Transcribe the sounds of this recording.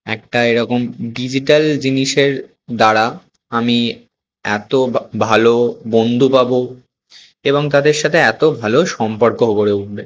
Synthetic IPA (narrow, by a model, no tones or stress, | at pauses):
ɛk̚ʈaeɾɔkomɖid͡ʑiʈald͡ʑiniʃeɾ | d̪aɾa | ami | ɛt̪obʱalobond̪ʱupabo | eboŋt̪ad̪eɾʃat̪ʰeɛt̪obʱaloʃɔmpoɾkoɦoboɾeuʈbe